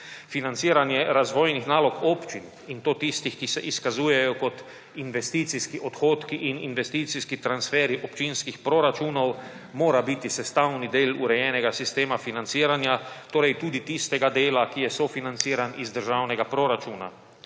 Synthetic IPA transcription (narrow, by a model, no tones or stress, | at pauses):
finant̪siːɾanjɛɾazʋoːjnixnaːlɔkoːpt͡ʃin | int̪oːt̪ist̪ixkisɛʔiskazuːjɛjɔkɔt̪ | inʋɛst̪iːt̪siskiʔɔt̪xoːt̪kiʔininʋɛst̪iːt̪siskit̪ɾansfɛːɾiʔɔpt͡ʃinskixpɾoɾat͡ʃuːnow | moːɾabit̪isɛst̪awnid̪eːluɾɛjɛːnɛɡasist̪eːmafinant̪siːɾanjat̪oːɾɛjt̪uːd̪it̪ist̪ɛɡad̪eːlakijɛsofinant̪siːɾanizd̪əɾʒaːwnɛɡapɾoɾat͡ʃuːna̰